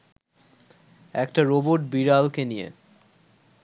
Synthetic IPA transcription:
ɛkʈaɾoboʈbiɾalkenijḛ

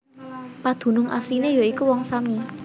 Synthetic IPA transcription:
pad̪̥ṳnʊŋʔa̰sinejoikuwɔŋsami

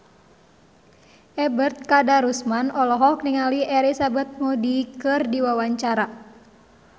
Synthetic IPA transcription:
ʔɛbərt̪̚kadaɾusmanɔlɔɦɔkniŋaliʔɛɾisabat̪̚modikɨrdiwawaɲt͡ʃaɾa

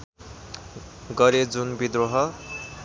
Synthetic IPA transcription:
ɡʌɾed͡zunbid̪ɾoɦʌ

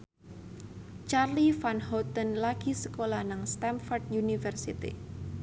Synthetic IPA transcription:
t͡ʃarlifanhɔt̪ənlaɡ̥isəkolanaŋst̪ɛmfɔrdjunifərsit̪ḭ

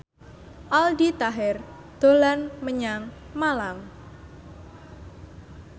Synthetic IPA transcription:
ʔaldit̪aɦɪr | d̪̥o̤lanməɲaŋ | malam

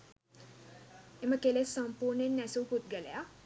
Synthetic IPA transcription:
eməkelesːɐmpuːɾnenːæsuput̪̚ɡæleja

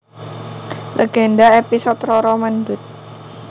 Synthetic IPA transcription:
lʔeɡendaepisɔt̪rɔɾɔmandʊt̪̚

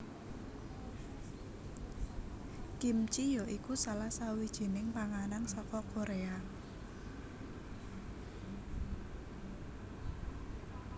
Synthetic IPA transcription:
kimt͡ʃijɔʔikusalahsawid̥ʒ̥i̤nɪŋpaŋanansɔkɔkoɾea

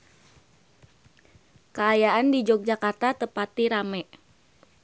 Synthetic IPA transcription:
kəːjaʔandid͡ʒɔk̚d͡ʒakart̪at̪əpat̪iɾamɛʔ

